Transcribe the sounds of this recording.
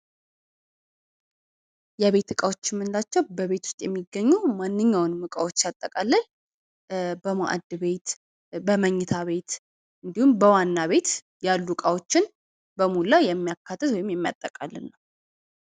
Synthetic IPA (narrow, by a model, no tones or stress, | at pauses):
jɛβe̞t̪ɨkʼawo̞t͡ʃːɪmːɨnlat͡ʃːɛwbəβe̞t̪ʰu̥st̪ʼjɛmːiɡːəɲːumanːɨɲːawnmɨkʼawo̞t͡ʃːat̪ʼːəkʼalːəɲ | bəmaʔa̰d̪ɨβe̞t̪ | bəməɲːɪt̪ʰaβe̞t̪ | ɨnd̪ihumbəwanːaβe̞t̪ | jalːukʼawot͡ʃːɪn | bəmulajɛmːijakʰːat̪ːɨt̪wɔjɪmjɛmːija̰t̪ʼːəkʼalːɨ̰nːəw